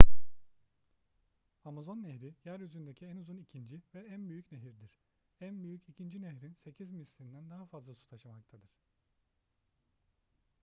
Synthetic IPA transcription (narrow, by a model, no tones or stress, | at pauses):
amazo̞nːeçɾijæɾjyzynd̪e̞cʰiɛnuzunicʰind͡ʒivɛænbyjycneɦiɾd̪iɾ̥ | ænbyjycʰicʰind͡ʒineçɾinse̞cʰizmisʲiind̪ænd̪aɦafazlˠasu̥t̪ʰaʃɯmak̚t̪ʰad̪ɯɾ̥